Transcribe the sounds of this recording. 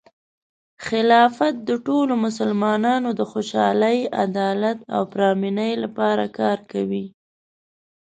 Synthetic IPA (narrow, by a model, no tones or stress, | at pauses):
xɪlɑfat̪̚d̪əʈolomʊsəlmɑnɑnod̪əxoʃɑləja̰d̪ɑlat̪a̰wpɾɑminəjlapɑɾakɑɾkawi